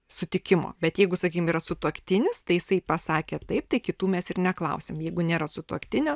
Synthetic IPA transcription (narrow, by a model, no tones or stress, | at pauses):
sʊt̪ʲɪkʲɪmo̰ːbʲɛt̪jɛɪɡʊsɐkʲiːkʲɪmiːɾɐsʊt̪uɔkt̪ʲɪnʲɪst̪ɐɪjɪsɐɪpɐsɑːkʲeːt̪ɐɪp̚t̪ɐɪkʲɪt̪uːmʲɛsɪɾnʲɛklˠɐʊsʲeːmjɛɪɡʊnʲeːɾɐsʊt̪uɔkt̪ʲɪnʲoː